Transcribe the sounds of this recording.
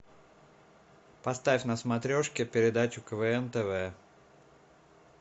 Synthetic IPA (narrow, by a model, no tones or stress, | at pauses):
pɐst̪afʲnəsmɐt̪ɾʲoʂkʲɪpʲɪɾʲɪd̪at͡ɕʊkəvəɛnt̪ɛvɛ